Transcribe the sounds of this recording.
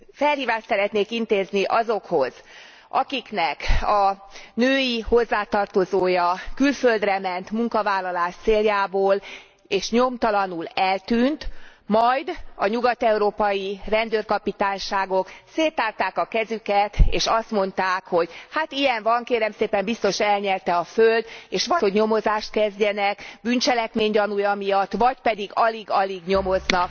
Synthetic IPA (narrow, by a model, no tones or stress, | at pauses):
fɛlhiːvaːʃt̪sɛɾɛt̪neːkint̪eːzniʔɒzo̞kho̞z̥ | ɒ̰kiknɛkɒnøːjiho̞zːaːt̪ɒrt̪o̞zoːjɒkylføld̪rɛmɛnt̪muŋkɒvaːlːɒlaːʃt̪seːljaːboːl | eːʃɲo̞mt̪ɒlɒnulɛlt̪yːnt̪mɒjd̪ɒɲuɡɒt̪ɛuɾoːpɒjirɛnd̪øːrkɒpit̪aːɲʃaːɡo̞kseːt̪aːrt̪aːkɒkɛzykɛt̪ḛːʃɒst̪mo̞n̪t̪aːkho̞ɟhat̪ijɛɱvɒŋkeːɾɛmseːpɛmbist̪o̞ʃɛlɲɛrt̪ɛɒføld̪eːʃʋɒho̞ɟɲo̞mo̞zaːʃt̪̚kɛzɟɛnɛkbyɲt͡ʃɛlɛkmeːɲɟɒnujɒmijɒt̪ːʋɒcpɛd̪iɡɒliɡɒliɡɲo̞mo̞znɒk